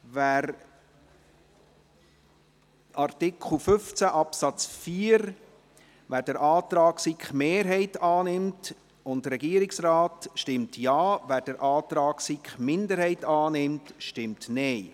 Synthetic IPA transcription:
væːɾ | ʔɑrtɪkʰl̩fʏft͡sæʔɑpsɑt͡sfiːəɾ | ʋæːɾd̥əɾʔɑːtɾɑːksikχmeːɾɦɛɪtɑːnɪmt | ʊndəɾɛɡiːəɾɪksraːtʃtɪmtʰjɑːvæːɾd̥əɾʔɑːtɾɑːksikχmɪndəɾhɛɪtɑːnɪmtʃtɪmtnɛɪ

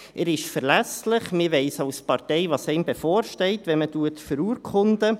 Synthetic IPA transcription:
ʔɛɾɪʃfəɾlæslɪχmɪʋɛɪsɑwspɑɾtɛɪʋɑsɛɪmbefɔːɾʃtɛɪtʋɛnmətuətfəɾuːəɾkʰχʊnd̪ə

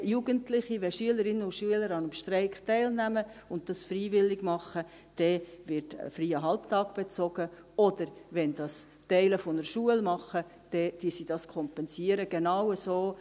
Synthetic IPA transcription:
juɡ̥əntlɪχiʋɛʃyələɾɪnːəʊʃyələɾɑnəmʃtɾɛɪktɛɪlnæməʊnt̚dɑsfriːʋɪlːɪɡmɑχə | d̥ɛʋɪɾtfriːəɦɑlptɑːɡ̥b̥et͡sɔɡ̥ə | ɔd̥əɾʋɛnd̥ɑs | tɛɪləfɔnəɾʃuəlmɑχːə | d̥ɛd̥iəsid̥ɑskʰɔmpɛnsiəɾəɡ̥enɑwəsoː

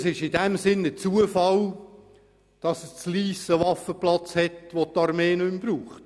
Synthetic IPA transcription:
sɪʃɪdɛmsɪnət͡suəfɑl | d̥ɑsəst͡sliːsəʋɑfəplɑt͡shɛtʋotːɑɾmeːnʏmbɾuːχt

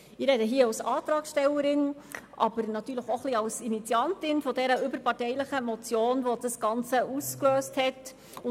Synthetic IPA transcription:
ɪɾɛdəɦiːəɑwsɑːt̪ɾɑːksʃtɛwəɾɪn | ʔɑ̰b̥əɾnɑtyːləχoχliɑlsinit͡sjɑntɪnfɔdɛɾəʏbəɾpɑrtɛɪləχəmɔt͡sjoːnʋodɑsɡ̥ɑnt͡səʔuskløːsthɛt | ʊ

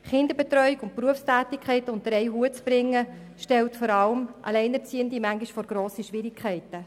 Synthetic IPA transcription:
χɪnd̪əɾbɛt̪ɾœjikʊnt̚pruəfstæːtikʰχɛɪtəʊntəɾɛɪjɦuət͡sb̥ɾɪŋːə | ʃtɛltfɔɾɑləmʔɑ̰lɛɪnɛt͡siːəndimæŋɡiʃfɔɾɡ̥ɾoːsiʃʋɪɾɪkʰχɛɪtə

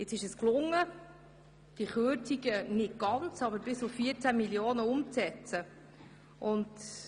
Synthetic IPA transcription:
ɪt͡sɪʃəsklʊŋːə | d̥iχøːtiɡənɪt̚ɡ̥ɑnt͡sɑbəɾbɪsʊfːiəɾt͡sæmiljoːnəʊmt͡sɛt͡sə | ʔʊnt

